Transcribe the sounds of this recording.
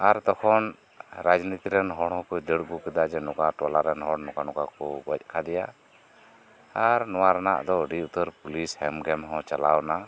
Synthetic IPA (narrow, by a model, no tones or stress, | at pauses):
aɾt̪ɔkʰɔn | ɾad͡ʒnit̪iɾɛnɦɔɽ̃hɔ̃kɔd̪əɽɡukɛd̪ad͡ʒɛnɔkaʈɔlaɾɛnɦɔɽnɔkanɔkakɔbɔc̚ˀkʰad̪ɛja | aɾnɔwaɾɛna̰ʔd̪ɔɖiut̪əɾpulishɛmɡɛmɦɔ̃t͡ʃalawna